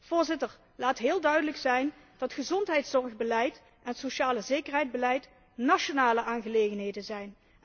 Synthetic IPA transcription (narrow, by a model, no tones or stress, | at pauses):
v̥ʊːɹzɪtəɹ | laːtɦɪːlˠdœɥdələksɛjn | d̥ɑtχəzɔntɦɛjtsɔɹɣbəlɛjt | ʔɛntsoʃaːləzejkərɦɛjd̚bəlɛjt | nɑʃonaːləʔaːnɣəlejɣənɦejdənzɛjn